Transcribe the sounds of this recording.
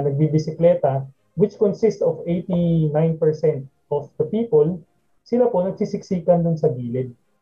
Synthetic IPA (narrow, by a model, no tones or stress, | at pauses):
nɐɡ̚bibɪsɪklɛːt̪ɐ | wɪt͡ʃkɔnsɪst̪ɔfejt̪inajnpɛɹsɛnt̪̚ʔɔfd̪̥ɐpiːpol | sɪlapo̞nɐɡ̚sɪsɪksiːkɐnd̪ʊnsɐbiːlɪd̪̚